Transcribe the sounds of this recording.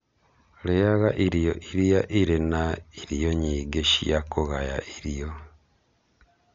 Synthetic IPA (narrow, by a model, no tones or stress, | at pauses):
lejaɣaʔiɾjoʔiɾijaʔiɾenaiɾijoɲiːɡeʃḭjakuɣaja̰ʔiɾijo